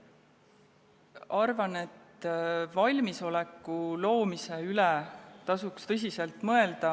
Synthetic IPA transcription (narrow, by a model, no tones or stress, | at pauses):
ɑrvɑne̞t̪ːvɑlʲmiso̞le̞kːˑulo̞ːmise̞ylɛt̪ɑsukst̪ɤs̬ʲise̞lt̪ˑmɤe̞ld̪̥ɑ